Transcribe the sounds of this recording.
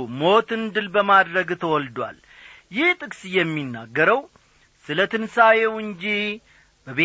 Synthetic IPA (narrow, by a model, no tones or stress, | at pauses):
mo̞t̪ɨnd̪ɨlbəmad̪ɾəɡt̪ʰəwɔld̪wa̰l | jɪht̪ʼɨkʼsjɛmːinːaɡːəɾəw | sɨlət̪ʰɨnsajewɨɲd͡ʒih | bəβe